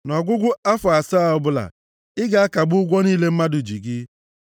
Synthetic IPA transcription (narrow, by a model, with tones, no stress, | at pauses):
nɔ˨ɡʷʊ˦ɡʷʊ˦a˦fʊ˨a˨sa˦˨ɔ˦bʊ˦la̰˨ | ɪ˦ɡa˨a˦ka˨ɡ͡bʊ˦ʊ˦ɡʷɔ˦niː˦le˦m̩˦ma˦dʊ˨d͡ʒi˨ɡɪ˦